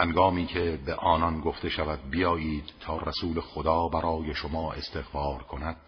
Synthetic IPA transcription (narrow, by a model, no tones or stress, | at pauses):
hænɡɒːmiːcʰe̞beʔɒːnɒnɡoft̪e̞ʃævæd̪̚bijɒːjiːd̪̥ʰɒːræsuːlexod̪ɒːbæɾɒːje̞ʃomɒːʔest̪ʰe̞ɣfɒːɾkʰo̞næd̪̥̚